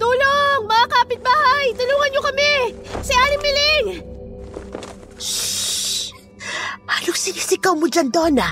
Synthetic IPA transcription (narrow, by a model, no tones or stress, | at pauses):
t̪uːloŋmɐŋakaːpɪt̪̚baːhɐjt̪ʊluːŋɐnɲokɐmɛsɐjaːlɪŋbɪlɪŋ | haːloŋsɪnisɪkɐwmod͡ʒɐnd̪oːna